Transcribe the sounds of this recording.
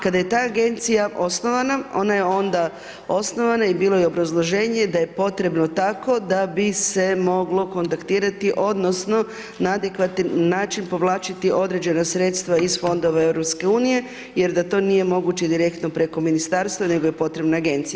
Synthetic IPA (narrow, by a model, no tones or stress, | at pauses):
kad̪ajet̪aːɡe̞nt̪sijaʔo̞sno̞ʋanao̞̰naje̞o̞nd̪a | o̞sno̞ʋanaibiːlˠo̞jeo̞bɾazlˠoʒe̞ːɲe̞d̪aje̞po̞t̪ɾe̞bno̞t̪ako̞d̪abise̞mo̞ɡlo̞ko̞nt̪akt̪iːɾat̪iʔo̞d̪no̞sno̞ | naad̪ekʋat̪inːaːt͡ʃinpo̞ʋlˠaːt͡ʃit̪iʔo̞d̪ɾe̞d͡ʑe̞nasɾe̞t̪st̪ʋaizfo̞nd̪o̞ʋae̞ʋɾopske̞uːnije̞ | je̞ɾd̪at̪o̞ːnije̞mo̞ɡut͡ɕe̞d̪iɾe̞kt̪no̞pɾe̞ko̞minist̪aɾst̪ʋane̞ɡojepo̞t̪ɾe̞bnaːɡe̞nt̪sijaa